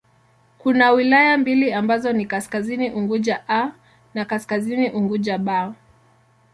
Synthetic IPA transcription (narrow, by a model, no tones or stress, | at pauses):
kunawilajambiliambazɔnikaskaziniʔuŋɡuʄaʔa | nakaskaziniʔuŋɡuʄaɓa